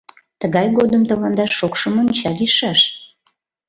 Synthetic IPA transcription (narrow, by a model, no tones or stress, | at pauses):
t̪əɣɑjɣod̪əmt̪əlɑnd̪ɑʃokʃəmonʲt͡ɕɑliʃɑʃ